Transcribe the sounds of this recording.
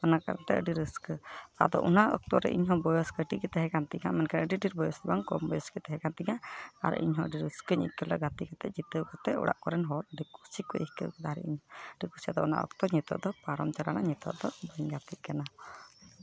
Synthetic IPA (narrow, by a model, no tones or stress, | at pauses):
ɔnaka̰ɾa̰nt̪ɛ̰ʔəɖiɾəskət̪a̰d̪ɔ̰ʔunaʔɔ̰k̚t̪ɔɾɛ̰ʔiɲɦɔ̃bɔjɔskəʈikɛt̪ɛɦɛkant̪iŋamɛnkanəɖiɖiɾbɔjɔsɔbaŋkɔmbɔjɔskət̪ɛɦɛkant̪iŋaa̰ɾ̰ʔḭɲɦɔ̃ə̰ɖiɾəskəɲəʔḭt̪̚ˀkʰələɡat̪ikat̪ɛʔd͡ʒit̪əkat̪ɛʔɔ̰ɽa̰ʔkɔɾɛnɦɔləɖikusikɔjihkə̰wkɛd̪aɾɛ̰iɲɦɔəɖikusiad̪ɔʔuna̰ʔɔ̰kt̪ɔɲɛt̪ɔ̰ʔd̪ɔpaɾɔmt͡ʃaɾanaɲɛt̪ɔ̰ʔd̪ɔbəɲɡat̪it̪̚kana